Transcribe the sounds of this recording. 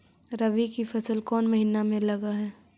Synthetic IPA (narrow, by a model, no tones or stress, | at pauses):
ɾɐʋikifɐsəlkɔːnmɐɦiːnamẽlɐɡaɦɛː